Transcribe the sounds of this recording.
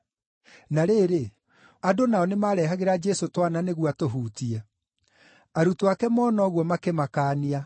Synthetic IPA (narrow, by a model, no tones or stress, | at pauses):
naɾeːɾe | adonaɔnemaɾɛɦaɣeɾad͡ʒɛsotwananeɣwatoɦuːtiɛ | aɾutowakɛmɔːnɔːɣwɔmakemakaːnia